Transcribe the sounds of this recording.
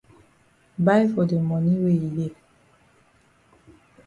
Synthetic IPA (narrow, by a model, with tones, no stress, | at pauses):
ba˦jfɔ˨de˨mɔ˨ni˦we˦˨i˨le˨